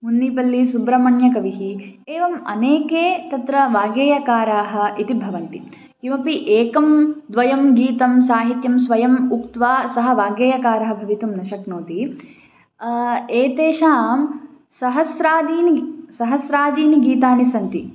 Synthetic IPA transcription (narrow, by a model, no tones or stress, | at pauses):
munːipɐlːisubɾɐmɐɳjɐkɐʋiɦieːʋɐmɐ̰neːkeːt̪ɐt̪ɾɐʋaːɡeːjɐkaːɾaːɦɐ̆ʔit̪ibʱɐʋɐnt̪i | kimɐpiʔeːkɐmd̪ʋɐjɐmɡiːt̪ɐmsaːɦit̪jɐmsʋɐjɐmukt̪ʋaːsɐɦɐ̆ʋaːɡeːjɐkaːɾɐɦɐ̆bʱɐʋit̪umnɐʃɐknoːt̪i | eːt̪eːʃaːm | sɐɦɐsɾaːd̪iːnisɐɦɐsɾaːd̪iːniɡiːt̪aːnisɐnt̪i